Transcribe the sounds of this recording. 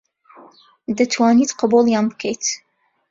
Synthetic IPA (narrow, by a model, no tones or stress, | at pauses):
d̪at̪ʰwaːnit̪qɑbulˠjaːnbɨkʰəjt̪